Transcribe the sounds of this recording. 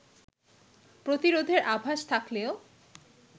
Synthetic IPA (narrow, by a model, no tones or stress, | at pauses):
pɾot̪iɾod̪ʱeɾʔabʱaʃt̪ʰakleo